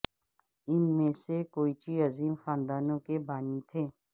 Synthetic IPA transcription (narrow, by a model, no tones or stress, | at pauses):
ɪnmẽsekoːiːt͡ʃiːəziːmxaːnd̪aːnõkebaːnĩt̪ʰeː